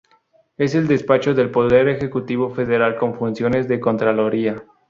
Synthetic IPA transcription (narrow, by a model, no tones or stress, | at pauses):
e̞se̞ld̪e̞spat͡ʃo̞ðe̞lpo̞ðe̞ɾe̞xe̞kut̪iβo̞fe̞ðe̞ɾalko̞ɱfunsjo̞ne̞zðe̞kont̪ɾaloɾia